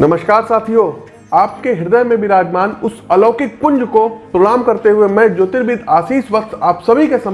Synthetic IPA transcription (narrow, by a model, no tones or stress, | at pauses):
nɐməʃkaːɾsaːt̪ʰioː | aːp̚keɦɪɾd̪əjmẽbʱiɾaːd͡ʒmaːnʊsɐlɔːkekʊ̃ɲd͡ʒkopɾoɽaːmkɐɾt̪eɦʊemɛ̃d͡ʒoːt̪ɪɾbid̪aːsiːsʋɐk̚t̪aːpsɐbʱikesɐm